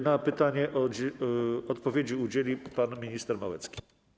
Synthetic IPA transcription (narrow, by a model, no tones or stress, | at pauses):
napɘt̪aɲɛʔɔ | ɔt̪pɔvʲjed͡ʑiud͡ʑelʲipanmʲiɲist̪ɛɾmawɛt̪skʲi̥